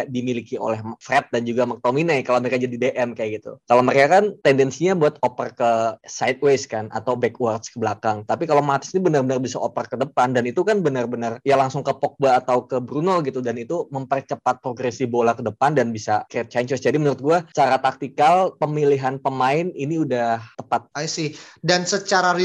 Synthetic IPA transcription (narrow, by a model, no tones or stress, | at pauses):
dimilikio̰lɛhfrɛt̪̚dand͡ʒuɡamək̚t̪ominajkalowməɾekad͡ʒadideʔɛmkajaɡit̪ṵkalawməɾekakant̪ɛndɛnsiɲabuat̪opərkəsajt̪̚weskana̰t̪awbɛkwart̪skəblakaŋt̪apikalamat̪ɪ̥snibənarbənarbisa̰opərkədəpandanit̪ukanbənərbənərjalaŋsʊŋkəpɔk̚baːt̪awkəbɾunəlɡit̪udanit̪uməmpərt͡ʃəpat̪̚pɾoɡɾesibolakədəpandanbisakɾɪt̪̚t͡ʃaɲt͡ʃəsd͡ʒadimənuɾʊt̪̚ɡuat͡ʃaɾat̪ak̚t̪ikalpəmiliɦanpəmaɪniniudaht̪əpat̪̚asɪhdansət͡ʃaɾaɾi